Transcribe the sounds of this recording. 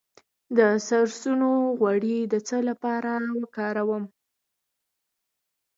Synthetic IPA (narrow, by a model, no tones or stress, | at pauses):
d̪əsaɾsunoɣwaɽid̪ət͡səlapɑɾawəkɑɾawəm